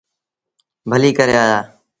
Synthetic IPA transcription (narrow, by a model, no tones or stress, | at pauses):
bʱəliːkəɾeaːjaː